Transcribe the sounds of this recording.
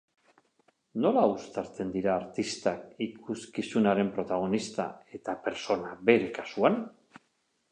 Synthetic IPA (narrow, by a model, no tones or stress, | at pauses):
no̞laust̪aɾt͡se̞nd̪iɾaːɾt̪ist̪akikʰuskisunaɾe̞mpɾo̞t̪aɣ̞o̞nist̪a̰e̞t̪ape̞ɾso̞naβe̞ɾe̞kḁsuan